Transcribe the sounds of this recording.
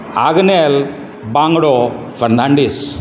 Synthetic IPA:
a̰ːɡɐnel | baːŋɡɐɽo | fɐrnaːɳɖis

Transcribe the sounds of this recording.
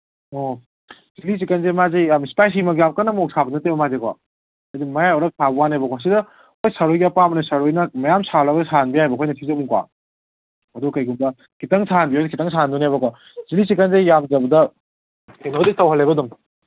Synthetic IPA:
o | zilis̬ikanzemazejamispajs̬imɐk̬jamkanːɐmɔk̚sabɐnɐtebɐmazekwa̰ | ajdimɐjajɔɾɐp̚sabuwanejbɐkwas̬idɐ | ojsaɾojapamɐnɐsaɾojnɐmɐjamsalaɡsanbiajbɐkʰojnɐsʰizomuŋkwa̰ | ɐdukɐjɡumbɐ | kitaŋsanbiojnɐkitaŋsandunajbɐkwa | zilis̬ikanzejjamd͡ʒɐbɐdɐ | kʰenaditawɦalejbɐdum

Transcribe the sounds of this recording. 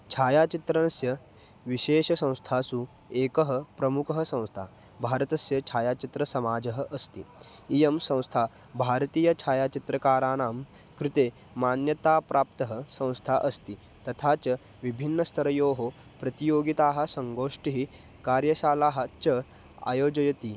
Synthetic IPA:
t͡ʃʰaːjaːt͡ʃit̪ɾɐnɐsjɐ | ʋiɕeːɕɐsɐ̃w̃st̪ʰaːsu | eːkəɦɐ̆pɾɐmukɐɦɐsɐ̃w̃st̪ʰa | bʱaːɾɐt̪ɐsjɐt͡ʃʰaːjaːt͡ʃit̪ɾɐsɐmaːd͡ʒɐɦəʔɐst̪ḭijɐmsɐ̃w̃st̪ʰa | bʱaːɾt̪iːjɐt͡ʃʰaːjaːt͡ʃit̪ɾɐkaːɾaːnaːm | kɾɪt̪eː | maːnjɐt̪aːpɾaːp̚t̪ɐɦɐsɐ̃w̃st̪ʰaʔɐst̪i | t̪ɐt̪ʰaːt͡ʃɐ | ʋibʱinːɐst̪ʰɐɾɐjoːɦo | pɾɐt̪ijoːɡit̪aːɦɐ̆sɐŋɡoːʂʈiɦi | kaːɾjɐʃaːlaːɦɐt͡ʃɐ | a̰joːd͡ʒɐjɐt̪iː

